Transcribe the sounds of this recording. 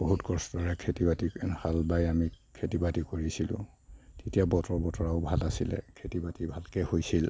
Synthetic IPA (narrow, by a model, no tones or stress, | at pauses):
b̥oɦutkɔsdɔɹɛkʰetibatihalbajamikʰetibatikoɹisilʊ̰̃ | tetijabɔtɔɹbɔtɔɹaʊbʱalasilɛ̰kʰetibatibʱalkɛhojsil